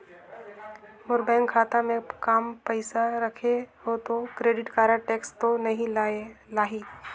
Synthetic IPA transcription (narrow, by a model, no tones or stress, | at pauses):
mʊɾbɛ̃ːŋkʰːaːt̪amẽkaːmpəɪsaɾəkʰeɦot̪okɾeːɖɪʈkaːɾaʈeːkst̪onɐɦĩlaːɦiː